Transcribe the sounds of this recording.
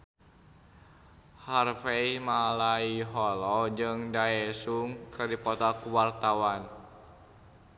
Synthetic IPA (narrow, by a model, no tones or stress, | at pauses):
harfeimalaiɦɔlɔd͡ʒɨŋdaɛsuŋkərdipɔt̪akuwart̪awan